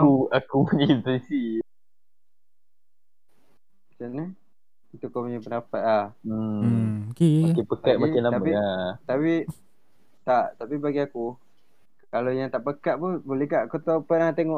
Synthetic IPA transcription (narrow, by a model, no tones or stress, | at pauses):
uakuɲitisi | t͡ʃana | it̪ukopuɲapənapat̪̚lah̩ | kokepəkaʔ̚maɛlaamapiat̪api | t̪aʔt̪apibaɡiaku | kalojãt̪aʔpəkaʔ̪̚punbolɛhkaʔkot̪opənat̪eŋɔʔ